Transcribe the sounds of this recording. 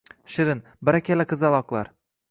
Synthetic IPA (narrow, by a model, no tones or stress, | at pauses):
ʃɪɾɪn | bɪɾakʲʰalakʰɨzalˠɒqlˠa̰ɾ